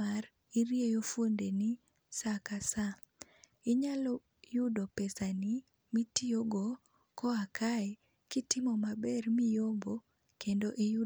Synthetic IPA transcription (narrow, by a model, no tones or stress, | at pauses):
ar | iɾjejofwondeni | sakasa | ɪɲalɔ | jʊdɔpesani | mitioɡo | kɔakʰaɛ | kitɪmɔmabɛrmijombo | kendoʔeju